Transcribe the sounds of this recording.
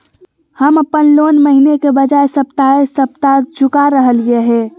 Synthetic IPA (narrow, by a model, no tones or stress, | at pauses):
həməpənlonməɦinekebəd͡ʒaesəpt̪aesəp̚t̪ad͡ʒʊkaɾəɦəlieɦɛ